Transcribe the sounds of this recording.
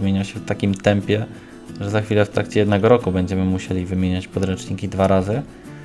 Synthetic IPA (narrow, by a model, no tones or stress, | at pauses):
mʲeɲaɕɛft̪akʲimt̪ɛmpʲjɛ | ʐɛzaxfʲilɛft̪ɾakt͡ɕɛjɛd̪nɛɡɔɾɔkubɛɲd͡ʑɛmɘmuɕelʲivɘmʲjeɲat͡ɕpɔd̪ɾɛnt͡ʂɲikʲid̪vaɾazɘ